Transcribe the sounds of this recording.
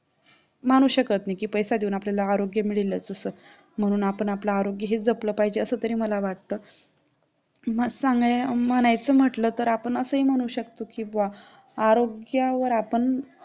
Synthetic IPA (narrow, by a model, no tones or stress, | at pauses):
m̤aɽ̃uːɕəkət̪najkiːpəjsad̪iuːnapljalaːɾoɡjəmiɭilət͡səsəː | m̤ə̃uːnapəɳaplaːɾoɡjəɦed͡zəpləpaɦid͡ʑeəsəːt̪əɾiːməlaʋaʈt̪əː | məsaŋɡɭeməñajt͡səːm̤əʈləːt̪əɾapəɳəsəːim̤əɽ̃uːɕəkt̪okiːbʋa | aɾoɡjaʋəɾapəɳ